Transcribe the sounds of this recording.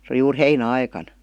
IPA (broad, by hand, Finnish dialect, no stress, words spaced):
se oli juːr heinæɑikɑn